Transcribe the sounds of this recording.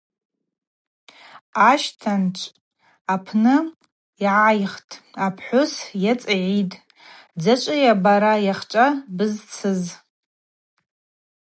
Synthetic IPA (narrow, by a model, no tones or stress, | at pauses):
aʃtʰant͡ʃʷʰʼ | apʰnɨ | iʕajχtʼapʰħʷʊsjat͡sʼaʕitʼ | d͡zat͡ʃʷʼɨjabaɾajaχt͡ʃʷʼabɨzt͡sʰɨz